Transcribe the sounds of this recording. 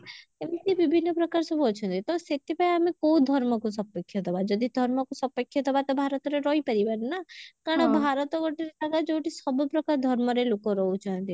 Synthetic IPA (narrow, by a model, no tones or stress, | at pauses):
emit̪ibibʱinːɔpɾɔkaɾsɔbuɔt͡ʃʰɔnt̪it̪ɔset̪ipaiamekoũd̪ʱɔɾmɔkus̬ɔpekʰːjɔt̪ʰɔbad͡ʒɔd̪ʱid̪ʱɔɾmɔkusɔpekʰjɔt̪ʰɔbat̪ɔbʱaɾɔt̪ɔɾeɾɔipəɾibannakaɽ̃ɔbʱaɾɔt̪ɔɡɔʈiɾesaɡad͡ʒewʈisɔbɔpɾɔkaɾɔd̪ʱɔɾmɔɾelokɔɾɔut͡ʃʰɔnt̪i